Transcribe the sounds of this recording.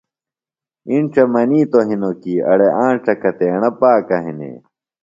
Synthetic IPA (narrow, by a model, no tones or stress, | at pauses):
inʈ͡ʂɐmɐniːt̪oɦinokiːɐ̰ɽeʔãːɳʈ͡ʂɐkɐt̪eːɳɐpaːkɐɦinḛ